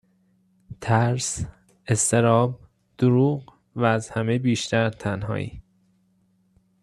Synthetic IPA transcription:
t̪ʰæɾs | e̞st̪e̞ɾɒːb | d̪̥oɾuːɢ | væːzhæme̞biːʃt̪ʰæɾt̪ʰænɦɒ̰ːḭː

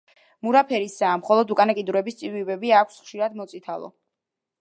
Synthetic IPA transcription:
muɾapʰɛɾisaːmχɔlˠɔd̪ukʼanakʼid̪uɾɛbist̪sʼivibɛbiakʷʰsχʃiɾad̪mɔt̪sʼit̪ʰalˠɔ̰

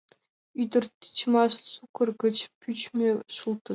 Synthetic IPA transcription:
yd̪ɘ̆rt̪ə̥t͡ɕmɑʃt͡sukɤ̆rɡə̆t͡ɕpʰʲyt͡ɕmʲeʃulˠt̪ə

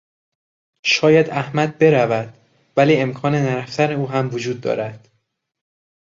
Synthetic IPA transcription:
ʃɒːjæd̪æhmæd̪̚be̞ɾævæd̪̥ | væliːe̞mkʰɒːne̞næɾæft̪ʰæne̞uːɦæmvod͡ʒuːd̪ːɒ̰ːɾæd̪̥

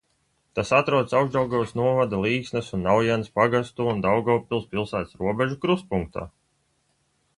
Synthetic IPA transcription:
t̪asat̪ɾuɔd̪sawɡzd̪awɡɔwsnuɔvad̪alˠiːksnɛsunːawjɛnspaɡast̪uːnd̪awɡɔwpʲilˠspilˠsæːt̪sɾuɔbeʒukɾuspuŋk̚t̪a̰ː

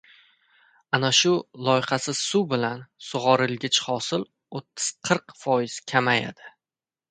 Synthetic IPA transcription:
anaʃʊlˠɒjɪχɑsɪz̥subɪlansʊʁɒɾɪlɡʲɪt͡ʃχɒsɪl | ot̪ʰːɪ̥z̥qʰɨɾqfɒjɪz̥kʲʰamaja̰d̪ɪ̥

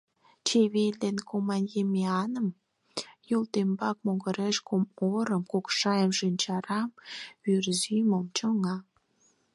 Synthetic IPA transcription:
t͡ɕeβeld̪enkomɑnʲjemeɑnəm | jolt̪embɑk̚moɣəɾeʃkomoɾəmkokʃɑjəmʃinʲt͡ɕɑɾɑmβyrzyməmt͡ɕəŋɑ

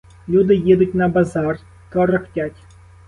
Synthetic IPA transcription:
lʲud̪ɨjed̪ʊt̚ʲnɐbazar | t̪ɔrɨxtʲatʲ

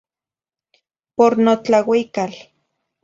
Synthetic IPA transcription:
poɾnot͡ɬawikal

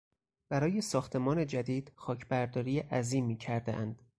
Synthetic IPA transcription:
b̥æɾɒːje̞sɒːxt̪ʰe̞mɒːne̞d͡ʒæd̪iːd̪̥xɒːcʰbæɾd̪ɒːɾiːjeʔæziːmiːcʰæɾd̪eʔænd̪̥

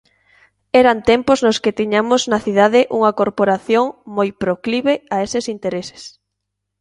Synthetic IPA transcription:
ɛɾant̪ɛmpʊznʊsket̪iɲamʊznɐθið̞aðɪʔuŋɐkoɾpoɾaθjoŋmojpɾokliβeaesɪsint̪eɾese̥s

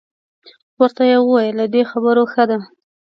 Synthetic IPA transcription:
wəɾt̪ajewəwajəlad̪exabəɾoxəd̪a

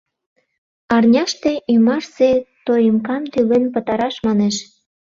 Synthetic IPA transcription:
ɑrnʲɑʃt̪eʔymɑʃset̪ojəmkɑmt̪ylenpə̆t̪ɑɾɑʃmɑneʃ

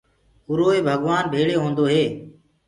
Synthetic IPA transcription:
ʊɾoːeːbʱəɡʋaːnbʱeːɭeːɦõːnd̪oːɦeː

